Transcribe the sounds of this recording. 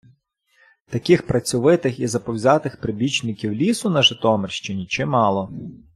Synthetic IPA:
t̪ɐkixpɾɐt͡sʲʊʋɪt̪ɪxizɐpɔwzʲɑt̪ɪxpɾɪbʲit͡ʃnɪkʲiwlʲisʊnɐʒɪt̪ɔmɪrʃt͡ʃɪnʲit͡ʃɪmɑlˠɔ

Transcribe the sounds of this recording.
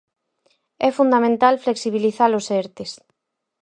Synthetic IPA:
ɛfund̪amẽnt̪alfleksiβ̞iliθalosɛɾt̪es

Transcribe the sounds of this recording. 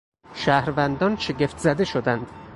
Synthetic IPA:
ʃæːhɾvænd̪ɒnʃe̞ɡe̞ft̪zæd̪e̞ʃod̪ænd̪̥

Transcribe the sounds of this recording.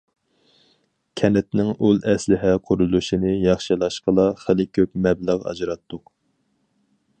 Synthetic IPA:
kʲʰɛnɛt̪nɪŋulˠɛslɪɦɛqʰʊɾulˠuʃinɪjɑχʃilˠɑʃqəlˠɑχəlɪkʲʰøp̚mɛbləʁɑ̰d͡ʒɾɑt̪ʰːʊq

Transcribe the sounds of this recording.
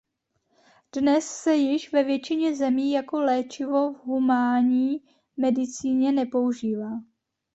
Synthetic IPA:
d̥nɛsːɛjɪʃvɛvjɛt͡ʃɪɲɛzɛmiːjako̞lɛːt͡ʃɪvo̞vɦumaːɲiː | mɛdɪt͡siːɲɛnɛpo̞uʒiːvaː

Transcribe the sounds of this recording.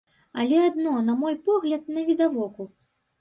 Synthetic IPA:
ɐlʲɛad̪nɔnɐmɔjpɔɣlʲɐt̪̚nɐvʲid̪avɔku

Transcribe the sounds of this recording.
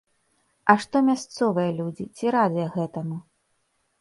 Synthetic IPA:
ɐʂt̪ɔmʲast̪sɔvɨjɐlʲud͡zʲit͡sʲiɾad̪ɨjɐɣɛt̪ɐmu

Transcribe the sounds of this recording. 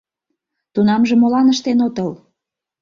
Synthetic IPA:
t̪unɑmʒemolɑnəʃt̪enot̪əl

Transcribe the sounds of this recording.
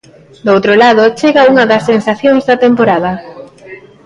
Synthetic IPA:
d̪owt̪ɾolaðot͡ʃeɣɐuŋɐðɐsːensaθjoŋzðɐt̪empoɾað̞ɐ

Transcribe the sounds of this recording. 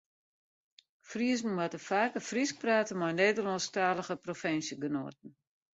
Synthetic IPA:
friəzn̩watəfaːkəfrisk̚praːtəmɔjneːdəlɔnstaːləɣəprofɪnsjəɡəno̰ət̚ən̩

